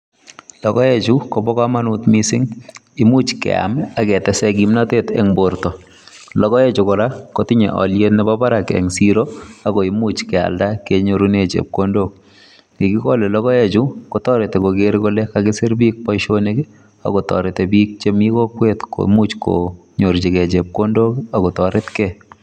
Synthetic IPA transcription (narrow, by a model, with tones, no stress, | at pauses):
lɔ˨ɡɔ˦ɛt͡ʃu˦ko˨bɔ˦ka˦ma˦nu˨tmisɪ˦ŋɪ˦mu˦t͡ʃkɛ̰˨a̰˨ma˨ɡɛ˨tɛ˦sɛ˦ɡi˨mna˦tetɛ̰˨ŋboɾtɔ˨ | lɔ˦ɣɔ˦ɛ˦t͡ʃʊ˨kɔ˨ɾa˦ko˦tɪ˦ɲḛ˨ʔɔ̰˨lje˦tnɛ˦baba˦ɾa˨kɛ̰˨ŋsiɾo˦a˦ɡo˨imut͡ʃkɛ˨a̰˨lda˦keɲo˨ɾunet͡ʃḛ˨p̚kondo˦k̚ | ki˨ɡi˦kɔ˦lɛ˨lɔ˦ɡɔ˦ɛ˦t͡ʃʊko˦tɔ˦ɾe˨te˨koɡeɾkolɛ˦kaɡɪ˦sɪ˦ɾbi˦k̚pɔ˦iʃone˦ɡe | a̰˨ko˨tɔ̰˨ɾe˨tebik̚t͡ʃe˦miko˦kwetko̰˨mu˦t͡ʃko̰ɲo˨ɾd͡ʒi˨kɛ˨t͡ʃe˨p̚ko˦ndo˦ka˨kɔ˨tɔɾɪ˦tkɛ